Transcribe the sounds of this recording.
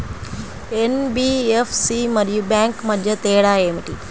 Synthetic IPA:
enbiːefʰsimɐɾjubɛ̃ːŋkmɐd̪ʱjɐt̪eːɽaːemiʈiː

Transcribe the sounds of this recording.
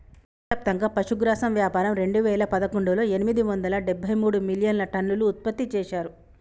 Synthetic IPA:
ɐp̚t̪ɐŋɡaːpɐʃuɡɾaːsɐmʋjaːpaːɾɐmɾe̞ɳɖuʋɛːlɐpɐd̪ɐkoɳɖulo̞ːe̞nimid̪iʋɐnd̪ɐlɐɖebʱːɐjmuːɽumiljɐnlɐʈɐnːuluːt̪̚pɐt̪ːit͡ʃɛːʃaːɾu

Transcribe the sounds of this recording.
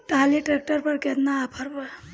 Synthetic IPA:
ʈaliʈɾek̚ʈəɾpəɾket̪naːpʰəɾpəɾ

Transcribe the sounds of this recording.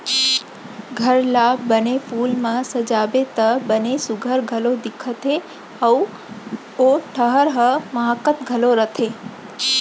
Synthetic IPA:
ɡʱəɾlaːənefulmãsəd͡ʒabet̪əbənesʊɡʱəɾɡʱəlod̪ɪkʰət̪ʰe | əu | oʈʰəɦəɾɦəməɦakət̪ɡʱəloɾət̪ʰe

